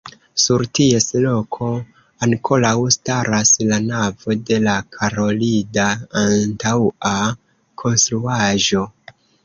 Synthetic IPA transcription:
suɾtie̞slo̞kʰo̞ | ankʰo̞lawstaɾaslanavo̞de̞lakʰaɾo̞lidaːntawa | kʰo̞nst̪ɾuaʒo̞

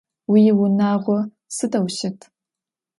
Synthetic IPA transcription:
wijɪwʊnaːʁʷɔ | sɨdɐwʃɪtʰ

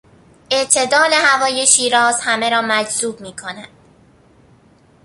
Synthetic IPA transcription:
e̞ʔt̪ʰe̞d̪ɒːle̞hævɒːjeʃiːɾɒːz̥hæme̞ɾɒːmæd͡ʒzuːb̚miːkʰo̞næd̪̥

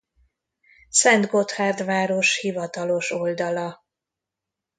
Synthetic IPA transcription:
sɛnd̪ɡo̞t̪haːrd̪vaːɾo̞ʃhivɒt̪ɒlo̞ʃo̞ld̪ɒlɒ

